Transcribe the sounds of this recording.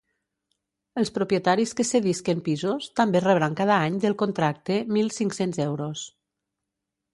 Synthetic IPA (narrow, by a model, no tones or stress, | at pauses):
əlˠspɾopiet̪aɾiskəseðiskempizost̪ambereβɾaŋkað̞aaɲd̪əlˠkont̪ɾak̚t̪emilˠsiŋksenzɛwɾos